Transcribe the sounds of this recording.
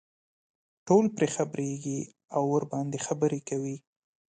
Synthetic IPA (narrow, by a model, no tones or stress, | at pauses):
ʈolpɾexabɾeɡi | awːəɾbɑnd̪exabəɾekawi